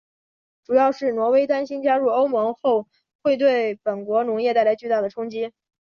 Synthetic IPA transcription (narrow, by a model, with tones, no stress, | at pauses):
ʈ͡ʂu˨˩jɑ˥˧ʊʂɻ̩˥˩nwɔ˧˥we˥ɪt̪a˥nɕi˥nt͡ɕja˥ɻu˥˩o˥ʊmɤ˧˥ŋxo˥˩ʊ | xwe˥˧ɪt̪we˥˩ɪpə˨˩nkwɔ˧˥nʊ˧˥ŋjɛ˥˧t̪a˥˩ɪla˧˥ɪt͡ɕy˥˧t̪a˥˩d̪ə˩ʈ͡ʂʰʊ˥ŋt͡ɕi˥